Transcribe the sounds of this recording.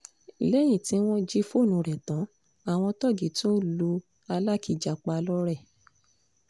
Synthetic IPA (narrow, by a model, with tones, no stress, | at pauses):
i˨le˦j̃ĩ˦˨tĩ˧˦w̃ɔ̃˦d͡ʒi˦fo˦˨nũ˨˧ɾɛ˨tã˨˦ | a˨w̃ɔ̃˧tɔ˦˨ɡi˨˦tũ˦lu˧ | a˧la˦ki˧˨d͡ʒa˨k͡pa˧lɔ˦ɾɛ˦˨